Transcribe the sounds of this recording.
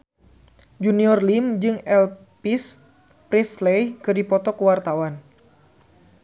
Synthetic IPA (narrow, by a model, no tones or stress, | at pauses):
d͡ʒuniɔrlimd͡ʒɨŋɛl | pis | pɾislejkɨrdipɔt̪ɔkəwart̪awan